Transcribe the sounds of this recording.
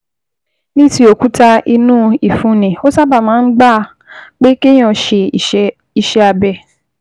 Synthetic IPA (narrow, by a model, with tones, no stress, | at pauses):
nĩ˦ti˧o˨ku˦ta˧i˧nũ˦i˨fũ˨˦nĩ˨o˦sa˦ba˦˨mãː˨˦n̩˦ɡ͡ba˦˨ | k͡pe˦ke˦j̃ɔ̃˧ʃe˧˨˦ | i˧ʃɛ˦a˧bɛ˧